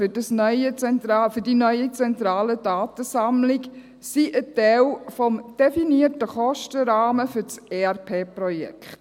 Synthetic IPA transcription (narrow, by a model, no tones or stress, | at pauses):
fʏd̥ɑsnœʏət͡sɛntɾɑːfʏdinœʏət͡sɛntɾaːlədaːt̪əsamlɪk | siʔətɛɪlfɔmd̥efiniətəχɔʃtəɾaːməfʏt͡serpʰeːprɔjɛ̰kʰt